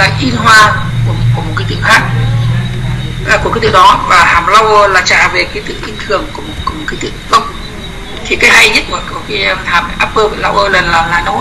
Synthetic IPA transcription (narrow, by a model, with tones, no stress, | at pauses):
laː˨˧˩ʔi˧nɦwaː˧ | ku˧˩ku˧˩əmo˨˩t̚ka˨˦t̪ɨ̰˧˨ŋxaː˦˥k̚ | ku˧˩xiː˨˦t̪ɨ̰˧˨ɗɔ˨˦vaː˨˩haː˨˩mla˧wʔəː˧laː˨˩t͡ɕa̰ː˧˨ve˨˩kaː˨˦t̪ɨ̰˧˨ʔi˧ŋt̪ʰɨ˧˩əŋku˧˩m˨˩t̚ku˧˩mo˨˩t̚ka˨˦t̪ɨ̰˧˨˧kə˧wŋ͡m̚ | t̪ʰi˨˩kaː˨˦jɦa˧jɲə˦˥t̚mə˨˩kɔ˧˩xi˧ɛ˧mʰaː˨˩m˨˦jʔaː˦˥p̚ʔəː˧vḛ˨˩la̰˧wʔəː˧lə˨˩nlaː˨˩mlaː˨˩no˨˦